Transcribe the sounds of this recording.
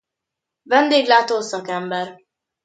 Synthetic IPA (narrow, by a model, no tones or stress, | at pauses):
vɛnd̪eːɡlaːt̪oːsɒkɛmbɛr